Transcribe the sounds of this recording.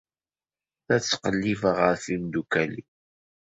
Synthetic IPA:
θæt͡sːqəlːivəʁəɾθind̪ukælḭ

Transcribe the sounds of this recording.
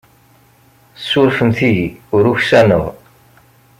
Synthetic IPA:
sːʊɾfənθiʝiʊɾuçsænə̰ʁ

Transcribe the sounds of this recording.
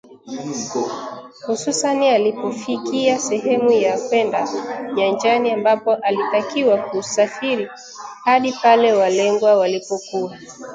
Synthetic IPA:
hususanialipɔfikiasɛɦɛmujakwɛndaɲand͡ʒaniambapɔʔalitakiwakusafiɾi | haɗipalɛwalɛŋɡwawalipɔkua

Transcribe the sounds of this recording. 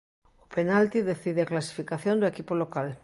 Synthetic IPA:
openalt̪iðeθiðeaklasi̥fikaθjond̪oekipolokal

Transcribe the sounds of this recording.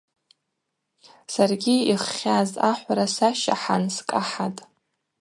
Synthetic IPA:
sarɡʲiiχːʲazaħʷaɾasaʃa̰ħanskʼaħatʼ

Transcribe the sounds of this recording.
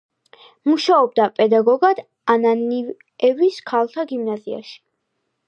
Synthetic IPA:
muʃaɔb̚d̪apʼɛd̪aɡɔɡad̪̥ | ananiv | ɛviskʰalˠt̪ʰaɡimnazia̰ʃi̥

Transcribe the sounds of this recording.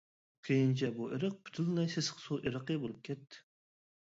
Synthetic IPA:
qʰejint͡ʃʰɛbuʔeɾəq̚by̥t̪ʰylnɛjsesə̥qʰsuʔeɾəqəbolˠɨp̚kʲʰɛt̪ʰːɪ̥

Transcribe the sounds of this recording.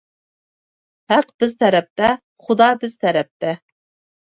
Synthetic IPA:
hæqb̥ɪzt̪ʰɛɾɛp̚t̪ɛ | χʊd̪ɑːbɪzt̪ʰɛɾɛp̚t̪ʰɛ

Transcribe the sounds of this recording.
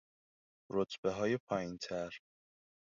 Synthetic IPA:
ɾot̪ʰbeɦɒːjepʰɒːjint̪ʰæɾ

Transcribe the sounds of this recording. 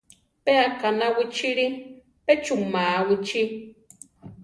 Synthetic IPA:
peakanawit͡ʃʰiɺi | pɛt͡ʃuŋmawit͡ʃʰi

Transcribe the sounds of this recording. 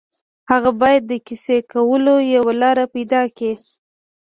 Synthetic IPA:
haɣabɑjad̪ːəkisekawəlojawalɑɾapajd̪ɑki

